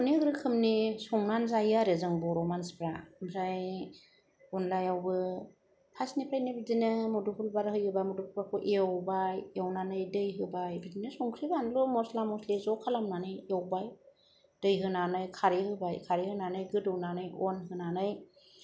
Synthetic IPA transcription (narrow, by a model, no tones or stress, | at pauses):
ɔniɡɾɯkʰɯmnisɔŋnanzajaɾezɯŋbɔɾɔmanspɾamzaj | ɔnlajawbɯ | pʰasnipʰɾajnɯbidinɯmudupʰulbaɾhɯjhɯbajmudupʰakʰɔʔeɔwbajewnanɯjdɯjɦɯbajbidinɯsɔŋsʰɯbanlɔmɔslamɔslezɔkʰalamnanɯjewbaj | d̥ɯjɦɯnanɯjkʰaɾihɯbajkʰaɾihɯnanɯjɡɯdɯwnanɯjɔnɦɯnanɯj